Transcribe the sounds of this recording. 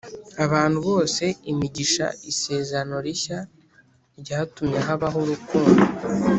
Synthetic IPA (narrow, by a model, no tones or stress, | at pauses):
aβaːnhuβo̞ːse̞imiɟiʃa̰ise̞ːzano̞ɾiça | ɾɟaːtumɲeɦaβaɦuɾukuːndo